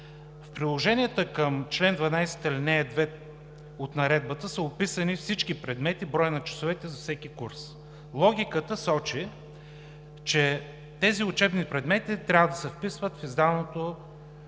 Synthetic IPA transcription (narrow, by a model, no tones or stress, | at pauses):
fpɾilˠoʒɛniət̪əkəmt͡ʃlɛnd̪vɐnajsɛ̥t̪əilinɛɛd̪vɛ | ot̪nɐɾɛd̪̚bət̪əsəopisənifsit͡ʃkipɾɛd̪mɛt̪ibɾɔjənɐt͡ʃɐ̥sovɛt̪ɛzɐfsɛkikuɾs | lˠɔɡʲikət̪əsɔt͡ʃi | t͡ʃɛ | t̪ɛziʊt͡ʃɛbnipɾɛd̪mɛt̪it̪ɾʲavəd̪ɐsɛfpisvət̪fizd̪avnot̪o